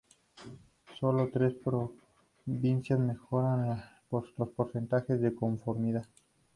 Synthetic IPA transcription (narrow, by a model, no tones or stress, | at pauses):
so̞lo̞t̪ɾe̞spɾo | βinsjazme̞xo̞ɾan | lospo̞ɾse̞nt̪axe̞zðe̞ko̞ɱfo̞ɾmiðað